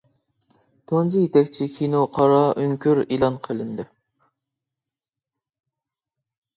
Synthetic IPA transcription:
t̪ʰond͡ʒijet̪ʰɛkʲt͡ʃʰikʲʰinoqʰɑɾɑʔøŋkʲʰyɾilˠɑnqʰəlˠɪnd̪ɪ

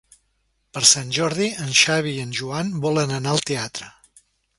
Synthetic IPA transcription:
pəɾsanʲʒɔɾðiənʃaβ̞iːənʲʒuanbɔlənənaəlˠt̪eat̪ɾə

